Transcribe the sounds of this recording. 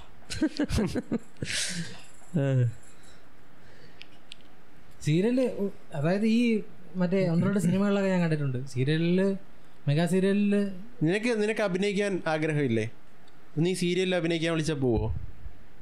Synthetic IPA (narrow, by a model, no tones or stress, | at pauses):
a | siːɾiɐl | ɐðaːjɐðɨiː | mɐtːe̞onːroɽɨsinimɐɣɐɭiɭːɐɣːɐɲaːnkɐɳɖiʈ̬ːuɳɖɨsiːɾijɐlil | meɣaːsiːɾijɐlil | ninɐkːɨninɐkːɨɐbʱinɐjikʲːaːnaːɡɾɐɦɐʋilːeː | onːiːsiːɾijɐlilɐbʱinɐjikʲːaːnʋiɭit͡ɕːaːp̬oːɣuo̰ː